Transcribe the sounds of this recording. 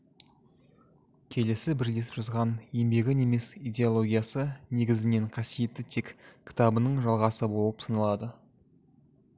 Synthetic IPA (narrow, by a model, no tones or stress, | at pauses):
kʲʰe̞le̞sɪbɪɾd̪ʲe̞spʒ̥ʊzʁɑne̞mbe̞ɡʲɪne̞me̞sijd̪ʲeolˠo̞ɡʲijasəne̞ɡʲɪzɪne̞ɴqʰɑsije̞t̪ːɪt̪ʰe̞kkʲʰɪ̥t̪ɑbənəɴʒɑlˠʁɑsəbo̞lˠəpsənəlˠɑd̪ə